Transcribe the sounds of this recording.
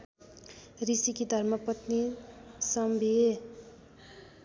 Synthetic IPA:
risikid̪ʱʌrmʌpʌt̪nisʌmbʱie

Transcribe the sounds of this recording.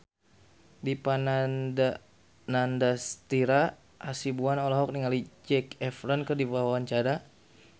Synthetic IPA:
dipanada | nandast̪iɾa | ʔasibuanɔlɔɦɔk̚niŋalid͡ʒɛkɛfɾɔnkɨrdibawaant͡ʃaɾa

